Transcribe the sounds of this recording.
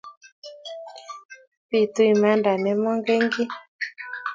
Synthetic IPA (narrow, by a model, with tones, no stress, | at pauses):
pi˦˨tu˦i˨ma˦nda˨nɛ˨˦mɔ˦ŋɡɛ˦ŋɡi˦